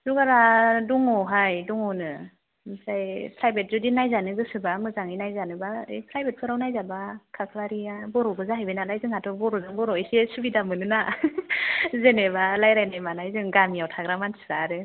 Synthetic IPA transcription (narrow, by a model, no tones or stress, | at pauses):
zuɡaɾadɔŋɔɦajdɔŋɔnɯ | msajpʰɾajbet̚zudinajzanɯɡɯsɯbamɯzaŋinajzanɯbaɯ̰jpʰɾajbet̚pʰɯɾawnajzabakʰakʰlaɾiabɔɾɔbɯzaɦajbenalajzɯŋhatʰɔbɔɾɔzɯŋbɔɾɔejsesɯbidamɯnɯna | zenebalajɾajnajmanajzɯŋɡamijawtʰaɡɾamansʰɯ̥zaɾɯ